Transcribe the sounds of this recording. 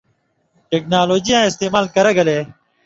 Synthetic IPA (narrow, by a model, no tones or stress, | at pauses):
ʈeːk̚naːloːd͡ʒijãːɪst̪eːmaːlkəɾeɡɐleː